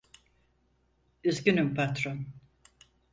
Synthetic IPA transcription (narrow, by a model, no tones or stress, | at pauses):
yzɡʲynympʰat̪ɾon